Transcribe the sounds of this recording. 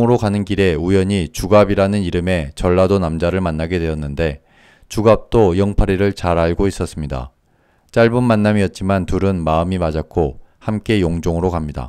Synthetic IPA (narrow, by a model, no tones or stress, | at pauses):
ŋɯɾokanɯnkiɾe̞ujʌɲit͡ɕuɡabiɾanɯniɾɯme̞t͡ɕʌɭːadonamd͡ʑaɾɯɭmanːaɡe̞dwe̞jʌnːɯnde̞ | t͡ɕuɡap̚t͈ojʌŋpʰaɾiɾɯɭt͡ɕaɾaɭɡois͈ʌs͈ɯmɲida̰ | t͡ɕ͈aɭbunmanːamiʌt̚t͡ɕ͈imantuɾɯnmaɯmimad͡ʑakʰohamk͈e̞joŋd͡ʑoŋɯɾokamɲida̰